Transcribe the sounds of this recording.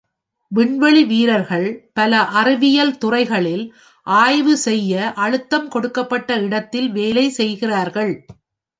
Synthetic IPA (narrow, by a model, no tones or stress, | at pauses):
ʋɪɳʋɐɭiʋiːɾɐɾɣɐɭpɐlɐʔɐrɯʋɪjɐlt̪ʊrɐɪɣɐɭɪl | ʔaːjʋɯsɛjːɐʔɐɻɯt̪ːɐmkɔɽɯkːɐpːɐʈːɐɪɽɐt̪ːɪlʋeːlɐɪsɛjɣɪraːɾɣɐɭ